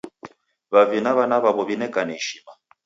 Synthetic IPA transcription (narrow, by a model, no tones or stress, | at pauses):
βavinaβanaβaβɔβinɛkanɛiʃima